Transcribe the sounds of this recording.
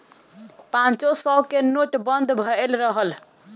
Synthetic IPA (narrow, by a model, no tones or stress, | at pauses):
pãnt͡ʃosɔkenoʈbənd̪ʱbʱəelɾəɦəl